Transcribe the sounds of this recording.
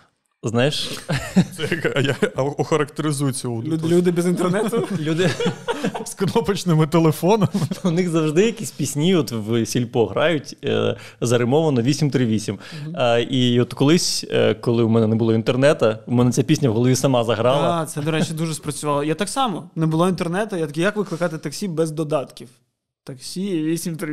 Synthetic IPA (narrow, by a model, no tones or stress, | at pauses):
znɑjɪʃ | sɛɐkjaɔxɐɾɐkt̪eɾɪzujʊt͡sʲɔɦɔlʲud̪ɪbʲɛzɪnt̪ernɛt̪ʊlʲud̪ɪ | skɐnɔpɐt͡ʃnɪmɪt̪elˠefɔnɔmʊnɪxzɐwʐd̪ɪjɐkʲisʲpʲisʲnʲiɔt̪wsʲilʲpɔɦɾɑjʊtʲ | zɐɾɪmɔʋɐnɔʋʲisʲimt̪ɾɪʋʲisʲim | iɔt̪kɔlˠɪsʲkɔlˠɪʊmɛnɛnɛbʊlˠɔint̪ernɛt̪ɐumɛnɛt͡sʲapʲisʲnʲɐwɦɔlˠɔʋʲisɐmɑzɐɦɾɑlˠɐt̪sɛd̪ɔɾɛt͡ʃʲid̪uʒɛspɾɐt͡sʲʊʋɑlˠɔjat̪ɑksɑmɔnɛbʊlˠɔint̪ernɛt̪ɐjat̪ɐkʲijakʋɪklˠɪkɑt̪ɪt̪ɐksʲibɛzd̪ɔd̪ɑt̪kʲiw | t̪ɐksʲiʋʲisʲimt̪ɾɪ